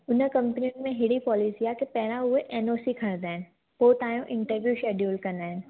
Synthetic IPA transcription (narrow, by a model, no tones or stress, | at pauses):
ʊnə̆kɐ̃mpniũnmẽɦɪɽipɔːliːsijak̪epɐɦɪɾ̃ãʊɦeʔeːnoːsikʰɐɽ̃nd̪aːɦɪnɪ̆ | poːt̪ãːjõʔɪ̃ɳʈəɾʋjuʃeːɖjuːlkɐ̃nd̪aːɦɪnɪ̆